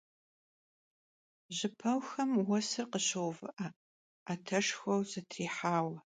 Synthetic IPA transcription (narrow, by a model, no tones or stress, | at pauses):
ʒɪpʰɐwxɐmwɐsɨrqəɕɐwvɨʔɐ | atʰɐʂxɐwzɐtʰriːħaːwɐ